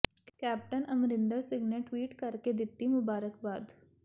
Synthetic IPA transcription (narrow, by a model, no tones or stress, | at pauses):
kɛːp̚ʈənəmɾɪ̃nd̪əɾsɪ̃ɡneʈwiːʈkəɾked̪ɪt̪ːimʊbaːɾəkbaːd̪